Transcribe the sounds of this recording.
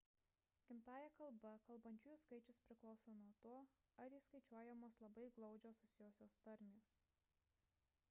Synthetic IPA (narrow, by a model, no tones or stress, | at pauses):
kʲɪmt̪ɑːjɛkɐlˠˑbɐkɐlˠbɐnʲt͡ʃʲuːjʊskɐɪt͡ʃʲʊspʲɾʲɪklˠɒʊsoːnuɔt̪uɔ | ɐɾiːskɐɪt͡ʃʲuɔjɛmoːslˠɐbɐɪɡlˠɒʊd͡ʒʲoːsʊsʲɪjoːsʲoːst̪ɐɾʲmʲiʊːs